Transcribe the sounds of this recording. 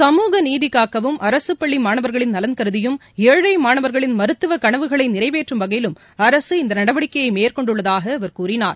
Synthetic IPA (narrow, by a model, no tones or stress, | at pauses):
sɐmuːɣɐniːðɪkːaːkɐʋɯmʔɐɾɐsɯpːɐɭːimaːɳɐʋɐɾɣɐɭɪnnɐlɐnkɐɾɯðɪjɯm | eːɻɐɪmaːɳɐʋɐɾɣɐɭɪnmɐɾɯt̪ːɯʋɐkɐɳɐʋɯɣɐɭɐɪnɪrɐɪʋeːʈrɯmʋɐɣɐjɪlɯm | ɐɾɐsɯɪnd̪ɐnɐɽɐʋɐɽɪkːɐjɐɪmeːɾkɔɳɖɯɭːɐðaːɣɐːʋɐɾkuːrɪnaːɾ